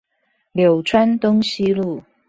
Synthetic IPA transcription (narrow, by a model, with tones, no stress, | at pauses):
ljo˨˩ʊʈ͡ʂʰwa˥nt̪ʊ˥ŋɕi˥lu˥˩